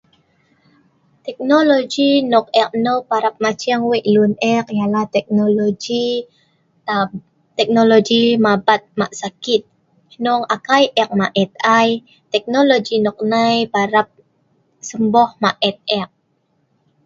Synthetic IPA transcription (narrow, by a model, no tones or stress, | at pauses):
t̪ɛk̚nolod͡ʒinɔk̚ɛk̚nopaɾap̚mat͡ʃiaŋwɛʔlunɛk̚jalaht̪ɛk̚nolod͡ʒi | t̪ɛk̚nolod͡ʒimabat̪̚maʔsakit̪̚ | nɔŋakajʔɛk̚maʔɛt̪̚aj | t̪ɛk̚nolod͡ʒinɔk̚najpaɾap̚ | səmbɔhmaʔɛt̪̚ɛk̚